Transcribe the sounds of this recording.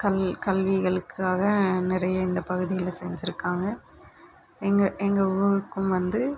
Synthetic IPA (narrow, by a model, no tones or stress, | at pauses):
kɐlkɐlʋɪɣɐɭɯkːaːɣɐnɪɾɐjɐɪnd̪ɐpɐɣɯðɪjɪlsɛɲd͡ʒɪɾɯkːaːŋɡɐ | ɛŋɡɐɛŋɡɐʊɾɯkːɯmʋɐnd̪ɯ